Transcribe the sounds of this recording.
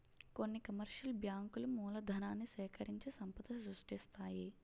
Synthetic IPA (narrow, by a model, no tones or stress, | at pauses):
ko̞nːikɐmɐɾʃɐlbjaːŋkulumuːlɐd̪ʱɐnaːnːisɛːkɐɾiɲt͡ʃesɐmpɐd̪ɐsɾuʂʈist̪aːji